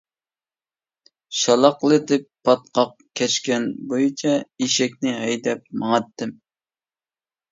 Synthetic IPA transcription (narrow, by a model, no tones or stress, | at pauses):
ʃɑlˠɑqlˠɨt̪ɪpːɑt̪̚qɑq | kʲʰɛt͡ʃkʲɛnbojut͡ʃʰɛiʃɛkʲnɪɦɛjd̪ɛp̚mɑŋɑt̪ːɪm